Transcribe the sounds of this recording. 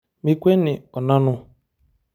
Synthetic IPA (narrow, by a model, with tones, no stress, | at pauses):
mi˦kʷe˦nɪ˨ɔ˨na˦nʊ˦